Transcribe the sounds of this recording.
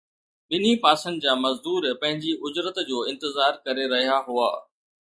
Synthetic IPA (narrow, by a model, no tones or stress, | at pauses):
ɓɪnipaːsə̃nd̪d͡ʑaːmɐzd̪uːɾpɐ̃ɦɪ̃ɲd͡ʑiʔʊd͡ʑɾət̪d͡ʑoːɪ̃nt̪ɪzaːɾkɐɾeɾɐɦijaɦua̰ː